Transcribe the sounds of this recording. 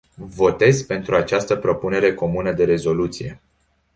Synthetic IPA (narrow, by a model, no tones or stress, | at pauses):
vo̞t̪e̞zpe̞nt̪ɾuat͡ʃast̪əpɾo̞pune̞ɾe̞ko̞munəd̪e̞ɾe̞zo̞lut̪sije̞